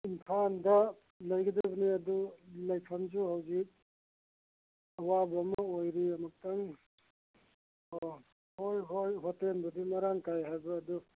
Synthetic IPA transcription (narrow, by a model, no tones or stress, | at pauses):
inpʰandɐ | lɐjɡidabɐniɐdulɐjkʰamd͡ʒuhawzik̚ | ɐwabɐmɔojɾiɐmɐk̚taŋ | o | hojɦojɦɔtenbɐdimaɾaŋkajɦajbɐːdu